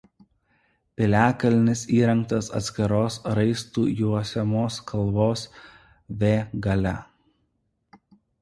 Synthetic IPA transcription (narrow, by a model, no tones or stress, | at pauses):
pʲɪlʲæːkɐlʲnʲɪsiːɾɐŋk̚t̪ɐsɐ̰t̪ʲsʲkʲɪɾoːsɾɐɪst̪uːjuɔsʲɛmoːskʰɐlˠʋoːs | ʋʲeːɡɐlʲɛ